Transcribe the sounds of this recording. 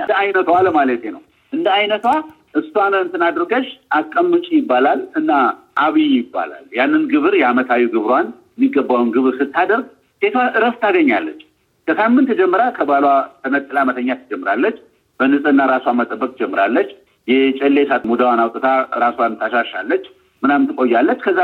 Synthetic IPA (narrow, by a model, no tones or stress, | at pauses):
ɨnd̪əajnət̪ʰwalmalət̪jenə̰w | ʔɨnd̪əajnət̪wa | ʔɨst̪wanəɨnt̪ʰɨnad̪ɾɡəʃʔakʼːəmːɨt͡ʃʼijɪbːalalɨnːa | ʔaβijjɪbːa̰la̰ljanːɨnɡɨβɨɾjɛamət̪ʰawuɡɨβɾwanjɛmːiɡːəbːawnɡɨβɾsɨt̪ʰːad̪əɾɡ | se̞t̪waʔɨɾəst̪aɡəɲːalːət͡ʃː | kəsamːɨnt̪d͡ʒɛmːɨɾakʰəbalwat̪ʰəmət̪ʼːɨlamət̪ʰəɲːat̪ʰɨd͡ʒɛmːɨɾalːət͡ʃː | b̥ənɨsʼɨnːaɾasoamat̪ʼəbːəkʼd͡ʒɛmːɨɾalːət͡ʃː | jɛt͡ʃʼɛlːesat̪mud̪awanawt̪ʼət̪ʰaɾaswant̪ʰaʃaʃalːət͡ʃː | mɨnamt̪ɨkʼo̞jːalːət͡ʃːkʰəzːa